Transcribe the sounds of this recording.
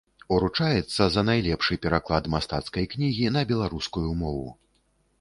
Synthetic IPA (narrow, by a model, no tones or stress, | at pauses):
uɾut͡ʂajɛt̪sːɐzɐnajlʲɛpʂɨpʲɛɾaklˠad̪mast̪at̪skɐjknʲiɣʲinɐbʲɛlˠaɾuskujumɔvṵ